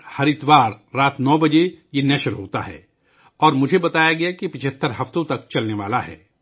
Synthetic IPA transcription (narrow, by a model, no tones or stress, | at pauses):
hɐɾɪt̪ʋaːɾːaːt̪nɔːbɐd͡ʒejenɛʃəɾɦoːt̪a̰ɦɛ̰ː | ɔːɾmʊd͡ʒʱebɐt̪aːjaɡɐjakipɪt͡ʃʰət̪ːəɾɦɐft̪õt̪ɐkt͡ʃɐlneʋa̰ːlaɦɛ̰ː